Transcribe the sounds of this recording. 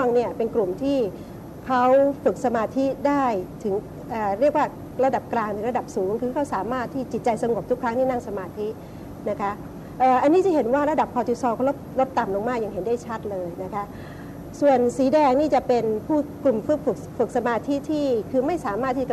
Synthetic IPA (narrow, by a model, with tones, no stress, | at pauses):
ŋni˥˩ɐpe˧nklu˨˩mt̪ʰiː˥˩ | kʰa˦˥wfɯ˨˩k̚sa˧maː˧t̪ʰi˦˥daː˥˩jt̪ʰɯ˩˦ŋ | ʔəː˨˩ɾi˥˩ək̚waː˥˩ | ɾa˧da˨˩p̚klaː˧ŋt̪ʰɯ˩˦ɾa˧da˨˩p̚suː˩˦ŋkʰɯː˧kʰa˦˥wsaː˩˦maː˥˩t̪ʰːiː˥˩˨t͡ɕi˨˩t̪̚t͡ɕa˧jsa˧ŋu˨˩p̚t̪u˦˥kʰɾa˦˥ŋt̪ʰiː˥˩na˥˩ŋsa˧maː˧t̪ʰi˦˥ʔ | na˦˥kʰa˦˥ʔ | ʔɤː˨˩ʔa˧nːiː˦˥˩t͡ɕa˨˩ɦe˩˦nwaː˥˩ɾa˧˥da˨˩p̚kʰɔː˧t͡ɕu˧˩sɔː˧kʰɔ˥˩lo˦˥p̚lo˦˥p̚t̪a˨˩mlo˧ŋmaː˥˩k̚ja˨˩ŋɦe˩˦ndaː˥˩jt͡ɕʰa˦˥t̪̚lɤː˧jna˦˥kʰa˦˥ʔ | su˨˩ənsiː˩˦dɛː˧ŋniː˥˩t͡ɕa˨˩pe˧npʰuː˥˩klu˨˩mfɯ˦˥fɯ˨˩k̚fɯ˨˩k̚sa˧maː˧t̪ʰi˦˥t̪ʰiː˥˩kʰɯː˧ma˥˩jsaː˩˦maː˥˩t̪ʰːiː˥˩t͡ɕ